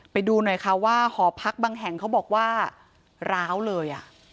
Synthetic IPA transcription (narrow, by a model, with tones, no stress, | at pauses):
pa˧jduː˧nɔ˨˩jkʰa˦˥waː˥˩hɔː˩˦pʰa˦˥k̚baː˧ŋɦɛ˨˩ŋkʰa˦˥wbɔː˨˩k̚waː˥˩ | ɾaː˦˥wlɤː˧jʔa˨˩ʔ